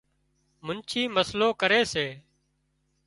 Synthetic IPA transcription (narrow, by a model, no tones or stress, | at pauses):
mʊnt͡ʃʰiːməsloːkəɾeːseː